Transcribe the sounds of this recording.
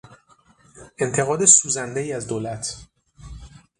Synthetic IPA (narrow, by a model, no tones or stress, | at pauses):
ʔe̞nt̪ʰe̞ɣɒːd̪e̞suːzænd̪e̞iːæzd̪oːlæt̪ʰ